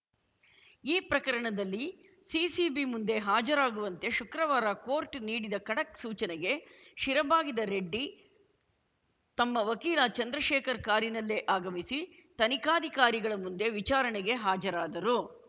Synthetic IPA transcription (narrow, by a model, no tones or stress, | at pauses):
iːpɾɐkɐɾɐɳɐd̪ɐlːi | siːsibimund̪e̞ɦaːd͡ʒɐɾaːɡuʋɐnt̪e̞ʃukɾɐʋaːɾakoːɾʈniːɽid̪ɐkɐɽɐksuːt͡ʃɐnɛɡe̞ʃiɾɐbaːɡid̪ɐɾeɖːi | t̪ɐmːɐʋɐkiːlat͡ʃɐnd̪ɾɐʃɛːkɐɾkaːɾinɐlːeːʔaːɡɐmisit̪ɐnikaːd̪ʱikaːɾiɡɐɭɐmund̪e̞ʋit͡ʃaːɾɐɳɛɡe̞ɦaːd͡ʒɐɾaːd̪ɐɾu